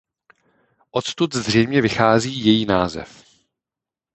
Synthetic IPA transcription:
ʔot̪st̪ut̪zr̝ɛjmɲɛvɪxaːziːjɛjiːnaːzɛ̰f

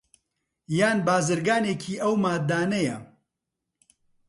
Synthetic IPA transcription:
jaːnbaːzɨɾɡaːneːkʰiːʔɐwmaːd̪aːnɐjɐ

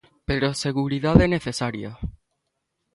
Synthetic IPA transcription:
peɾoaseɣuɾiðaðɛneθesaɾja̰

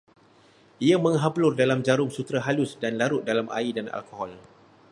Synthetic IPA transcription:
iamə̃ŋɦaplʊrdalamd͡ʒaɾʊŋsut̪ɾaɦalʊsdanlaɾʊʔ̪̚dalamʔa̰idana̰lkɔhɔl

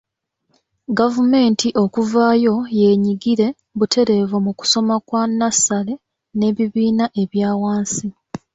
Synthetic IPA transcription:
ɡavume̞ːntiʔo̞kuvaːjo̞je̞ːɲiɡiɾe̞ | βutʰe̞ɾe̞vomuku̥so̞makwanːasale̞ | ne̞ːβiβiːnaʔe̞βjaːwaːnsi

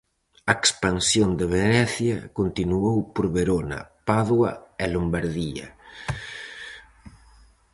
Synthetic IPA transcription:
ɐekspansjond̪eβ̞enɛθjɐkont̪inuowpoɾβeɾonɐ̰paðwɐ̰ɛlombaɾðia̰

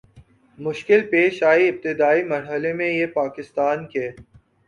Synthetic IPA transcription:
mʊʃkɪlpeːʃaːiɪp̚t̪ɪd̪aːimɐɾɦəlemẽjepaːkɪst̪aːnkeː

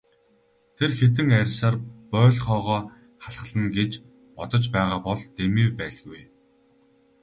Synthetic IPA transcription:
t̪ʰerxet̪ɘ̆ŋærʲsaːrpœːɮχɔːʁɔː | χaɮə̆ɮə̆nɡet͡ɕ | pɔt̪ɞ̆t͡ɕpæːʁaːpɔɮt̪emiːpæːɮɣuj

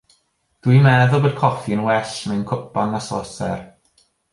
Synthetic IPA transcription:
d̥wimɛðʊlˠboːd̥̚kʰɔfiənwɛɬmenkʰʊpanasɔsɛ̰r

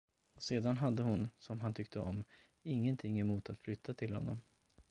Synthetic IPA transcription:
seːd̪anɦad̪ːəɦʊnsɔmɦant̪ʰʏkt̪ʰəɔm | ɪŋːənt̪ʰɪŋːɛmuːt̪at̪flʏt̪ʰːat̪ʰɪlɦɔ̰nːɔ̰m

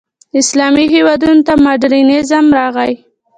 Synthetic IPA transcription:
ɪslɑmiɦewɑd̪unot̪amaɖɾinezamɾɑɣaj

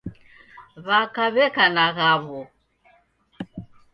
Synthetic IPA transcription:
βakaβɛkanaɣaβɔ

